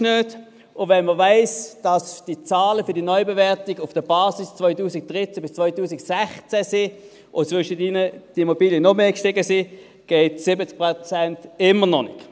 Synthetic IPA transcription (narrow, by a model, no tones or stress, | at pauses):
nøːt | ʊvɛnməvaɪsd̥ɑsd̥it͡saːləfʏɐdinɔʏbevɛɐtɪɡʊfd̥əbɑːsist͡svɔʏtuːsɪk̚d̥ʁɪt͡sæb̥ɪst͡svɔʏtuːsɪksɛχt͡sɛsi | ʔʊt͡svʏʃətɪnəd̥imobiːljənɔmeːkʃtɪɡəsi | ɡ̥eɪtsɪbət͡sk̚pʁot͡sɛntɪmənɔnɪ̰k